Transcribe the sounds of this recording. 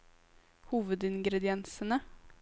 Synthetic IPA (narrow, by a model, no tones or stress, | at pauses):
huːvəd̪ɪnɡɾɛd̪ɪɛnsənə